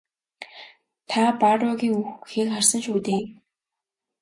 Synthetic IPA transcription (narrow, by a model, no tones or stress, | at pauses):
t̪ʰaparɔɣʲiːŋuxxiːkχarsə̆nʃuːt̪eː